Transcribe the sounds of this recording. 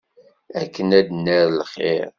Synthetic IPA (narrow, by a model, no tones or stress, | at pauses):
ækːənæd̪nːəɾlχḛɾ